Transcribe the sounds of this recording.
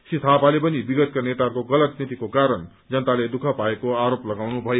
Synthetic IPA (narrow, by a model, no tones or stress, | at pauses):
sit̪ʰapalepʌnibiɡʌt̪̚kanet̪akoɡʌlʌt̪nit̪ikokaɾʌn | d͡zʌnt̪aled̪ukʰʌpaekoaɾoplʌɡawnubʱʌje